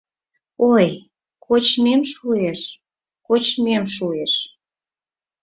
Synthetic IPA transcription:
oj | kʰot͡ɕmemʃueʃ | kot͡ɕmemʃueʃ

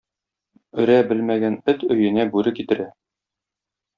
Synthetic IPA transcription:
ɵ̆ɾæbɘlmæɡænɵt̪ɵ̆jɘ̆næbʉɾɘkit̪ɘ̆ɾæ

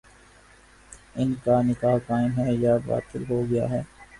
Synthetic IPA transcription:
ɪnkanɪkaːɦkaːɪ̃nɦɛjaba̰ːt̪ɪlɦoːɡɐja̰ɦɛː

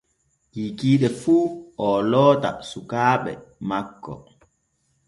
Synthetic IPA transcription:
kiːkiːɗɛfuːʔɔlɔːta̰sukaːɓɛ̰makːɔ̰

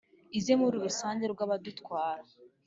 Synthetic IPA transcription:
izemuɾuɾusaːndeɾɡwaːβadutkwaːɾa

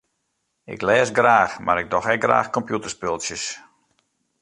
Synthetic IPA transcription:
ɪ̰klɛːsɡraːxmaɾɪɡ̚dɔxɛk̚ɡra̰ːxkɔmpjutərspølˠsjəs

